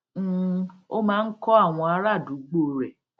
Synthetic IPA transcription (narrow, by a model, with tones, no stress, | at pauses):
o˦mãː˦˧n̩˦kɔ˦a˦˨w̃ɔ̃˧a˧˦ɾa˦˨du˨˦ɡ͡bo˦˨ɾɛ˨